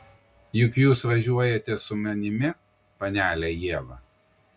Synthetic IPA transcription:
jʊkjuːsʋɐʒʲuɔjɛt̪ʲɛsʊmʲɛnʲɪmʲɪ | pɐnʲæːlʲɛjiɛʋɐ

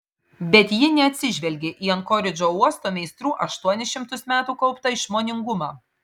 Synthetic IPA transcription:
bʲɛt̪ʲjɪnʲɛɐt̪ʲsʲɪʒʲʋʲɛlʲɡʲeʔiːɐnkɔːɾʲɪd͡ʒʲoːuɔst̪oːmʲɛɪst̪ɾuːʔɐʃt̪uɔnʲɛʃʲɪmt̪ʊsmʲæːt̪uːkɒʊpt̪ɐɪʃmoːnʲɪŋɡʊmɑː

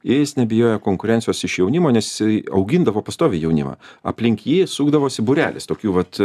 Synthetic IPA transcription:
jɪjɪsnʲɛbʲɪjoːjɛkoːŋkʊɾʲɛnʲsʲɪjoːsɪʃjɛʊnʲɪmoːnʲɛsɐ̰ʊɡʲɪnd̪ɐʋoːpɐst̪oːʋʲɪjɛʊnʲɪ̰mɐ̰ːɐ̰pʲlʲɪŋʲkʲjiːsuːɡd̪ɐʋoːsʲɪbʊɾʲæ̰ːlʲɪ̰st̪oːkʲuːʋɐt̪

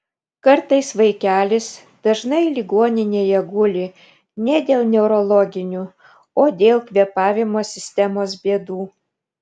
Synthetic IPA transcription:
kɐɾt̪ɐɪsʋɐɪkʲæːlʲɪs | d̪̥ɐʒnɐɪlʲɪɡoɔnʲɪnʲeːjɛɡʊlʲɪ | nʲɛd̪ʲeːlˠnʲɛʊɾɔlˠɔɡʲɪnʲuː | oːd̪ʲeːlˠkʋʲiɛpɑːʋʲɪmoːsʲɪsʲt̪ʲɛmoːs̬bʲeɛd̪uː

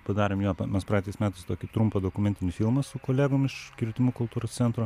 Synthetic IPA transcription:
pɐd̪ɑːɾʲeːmjoːmʲɛspɾɑːt̪ʲɛɪsmʲæːt̪ɐɪst̪oːkʲɪt̪ɾʊmpɐd̪oːkʊmʲɛnʲt̪ʲɪnʲɪfʲɪlˠmɐsʊkoːlʲæːɡomɪʃkʲɪɾʲt̪ʲɪmuːkʊlˠt̪uːɾoːssʲɛnt̪ɾo

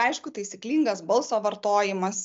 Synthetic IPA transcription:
ɐɪʃkʊt̪ɐɪsʲiklʲiːŋɡɐsbɐlˠsoːʋɐɾt̪oːjɪmɐs

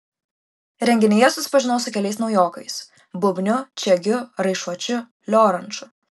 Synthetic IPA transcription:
ɾʲɛŋʲɡʲɪnʲɪjɛsʊsʲɪ̥pɐʒʲɪnoːsʊkʲɛlʲɛɪsnɒʊjoːkɐɪs | bʊbʲnʲʊt͡ʃʲɛɡʲʊɾɐɪʃuɔt͡ʃʲʊ | lʲoːɾɐnt͡ʃʊ

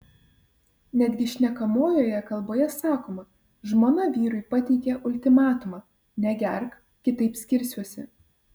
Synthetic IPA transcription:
nʲɛd̪ʲɡʲɪʃʲnʲɛkɐmoːjoːjɛkɐlˠboːjɛsɑːkoːmɐ | ʒmoːnɐʋʲiːɾʊɪpɐt̪ʲɛɪkʲɛʔʊlʲt̪ʲɪmɑːt̪ʊmɑ | nʲɛɡʲɛɾk | kʲɪt̪ɐɪpsʲkʲɪɾʲsʲuɔsʲɛ̰

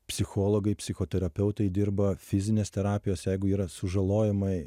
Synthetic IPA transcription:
pʲsʲɪxoːlˠoːɡɐɪpʲsʲɪxoːt̪ʲɛɾɐpʲɛʊt̪ɐɪd̪ʲɪɾbɐfʲɪzʲɪnʲeːst̪ʲɛɾɑːpʲɪjoːsjɛɪɡʊiːɾɐsʊʒɐlˠoːjɛmɐɪ

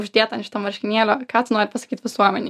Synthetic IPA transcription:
ʒʲd̪ʲiɛt̪ɐnʲʃɪ̥t̪ɐmʋɐɾʲʃʲkʲɪnʲeːlʲoːkɑːt̪ʲɪnuɔɾʲpɐsɐ̥kʲiːt̪ʲʋʲɪsuɔmʲɛnʲ

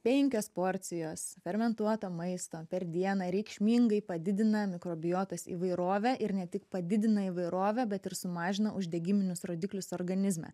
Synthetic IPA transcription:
pʲɛɪŋʲkʲoːspoːɾʲt̪sʲɪjoːsfʲɛɾʲmʲɛnt̪uɔt̪oːmɐɪst̪oːpʲɛɾd̪ʲiɛnɐːɾʲɛɪkʃʲmʲiːŋɡɐɪpɐd̪ʲɪd̪ʲɪnɐmʲɪkɾoːbʲɪjoːt̪ɐsḭʋɐɪɾoːʋʲɛʔɪɾnʲɛt̪ʲɪkpɐd̪ʲɪd̪ʲɪnɐiʋɐɪɾoːʋʲɛbʲɛt̪ɪɾsʊmɑːʒʲɪnɐʔʊʒʲd̪ʲɛɡʲɪmʲɪnʲʊsɾoːd̪ʲɪklʲʊsoːɾɡɐnʲɪzʲmʲɛ̰

